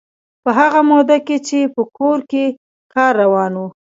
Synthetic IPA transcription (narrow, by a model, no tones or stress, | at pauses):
pəɦaɣamod̪aket͡ʃepəkoɾke | kɑɾːawɑnwu